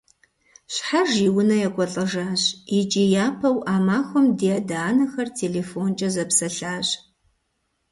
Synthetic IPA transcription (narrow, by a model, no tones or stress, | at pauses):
ɕħaʒiwʊnɐjɛkʷʼɔɬʼɐʒaːɕɪt͡ʃʼijaːpʰɐwʔaːmaːxʷɔmdiadaːnɐxɐrtʰeːleːfoːnt͡ʃʼɐzɐpsɐɬaːɕ